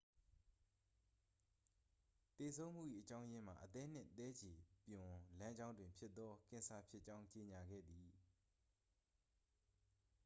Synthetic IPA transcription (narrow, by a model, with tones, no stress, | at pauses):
t̪e˨sʰõ˦ʊ̃m̥ṵ˦˨ʔḭ˦˨ʔət͡ɕã˦ʊ̃jɪ̃˦m̥a̰˨ʔət̪ɛ˦n̥ɪ̰̃˦˨t̪ɛ˦d͡ʑe˨pjʊ̃˨lã˦ɲd͡ʑã˦ʊ̃ndwɪ̃˨mpʰjɪ˦t̪ːɔ˦kɪ̃˨sʰa˨pʰjɪ˦t͡ɕã˦ʊ̃ɲt͡ɕe˨ɲa˨ɡɛ̰˦˨d̪i˨